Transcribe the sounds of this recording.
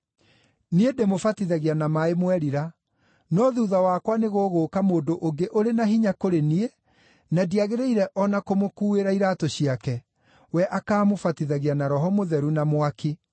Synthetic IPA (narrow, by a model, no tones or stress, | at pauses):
niedemofatiðaɣianamaemwɛɾiɾa | nɔðuːðawaːkwaneɣoːɣoːkamoːndoʔoŋɡeʔoɾenaɦiɲakoɾenie | nadiaɣeɾeiɾɛʔɔnakomokuːeɾaiɾatoɕiakɛ | wɛʔakaːmofatiðaɣianaɾɔɦɔmoðɛɾunamwaki